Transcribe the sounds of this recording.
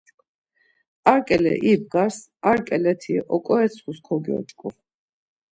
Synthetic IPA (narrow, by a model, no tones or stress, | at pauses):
aɾkʼɛlɛ̰ʔib̚ɡaɾsaɾkʼɛlɛt̪ʰiɛʔɔkʼɔɛt̪sʰχuskʰɔɡiɔ̰t͡ʃʼkʼu